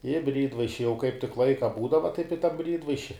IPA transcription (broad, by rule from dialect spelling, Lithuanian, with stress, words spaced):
ɪ ˈbʲrʲiːdʋɐɪʃʲɪ jɛʊ kɐɪp tʲɪk ˈlˠɐɪkɐ ˈbuːdɐʋɐ tɐɪp ɪ tɐ ˈbʲrʲiːdʋɐɪʃʲɪ